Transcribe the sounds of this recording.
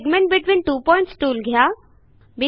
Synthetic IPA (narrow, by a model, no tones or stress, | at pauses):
ɡmɛ̃ɳʈ̚bɪʈʋĩːnʈuːpɔɪ̃ɳʈsʈuːlɡʱja | bi